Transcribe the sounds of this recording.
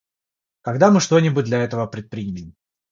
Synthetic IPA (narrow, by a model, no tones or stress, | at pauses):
kɐɡd̪amɨʂt̪o̞nʲɪbʊt̚ʲd̪lʲɐɛt̪əvəpɾʲɪt̪̚pɾʲiimʲɪɪm